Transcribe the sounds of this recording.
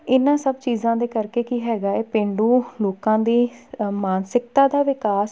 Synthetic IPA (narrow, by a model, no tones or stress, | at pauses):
ɪnãːsəbt͡ʃiːzãːd̪eːkəɾkeːkiːɦɛːɡaːeːpɪ̃ɳɖuːloːkãːd̪iːmaːnsɪk̚t̪ãːd̪aːʋɪkaːs